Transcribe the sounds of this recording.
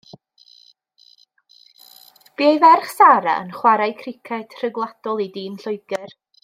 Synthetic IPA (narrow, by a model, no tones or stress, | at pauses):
b̥iːajvɛrχsaɾa̰ə̰nχwaɾajkʰrɪkʰɛtʰr̥əɡlˠad̥ɔlˠidiːnɬʊɨɡ̥ɪr